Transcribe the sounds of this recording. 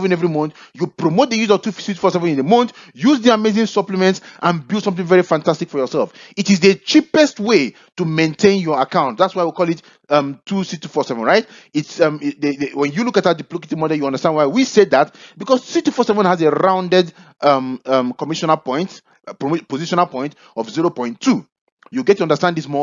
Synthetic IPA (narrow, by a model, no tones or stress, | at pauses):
ɛvə̃nɛvɹimõntjupɹomot̚d̪əjuzɔv̥tusitu̥fɔsɛvə̃nĩnðəmõntjuzðiamezɪ̃ŋsʌpləmɛ̃ntsʔãnbilˠsʌ̃mθɪ̃ŋvɛɹifãntastikfɔjɔsɛlˠfitizðət͡ʃipɛstwe | tumẽntʰẽnjɔ˞akãʊ̃nt̚ðatswaɪwikɔlˠit | ʌmtʰːusitufɔsɛvə̃nɹaɪt | itsʌmwɛ̃njulukat̚ðədiplokesimɔdəlˠjuʌ̃ndəstãndwaɪwiseðat̚bikɔzsitufɔsɛvə̃nhazeɹãʊ̃ndɛdʔʌmʌmkɔmiʃɔnapɔ̃ɪ̃nt | pɹmpoziʃɔ̃napɔ̃ɪ̃nt | ɔfziɹopɔ̃ɪ̃ntʰːu | juɡɛt̚ːuʌ̃ndəstãnd̪ðismɔ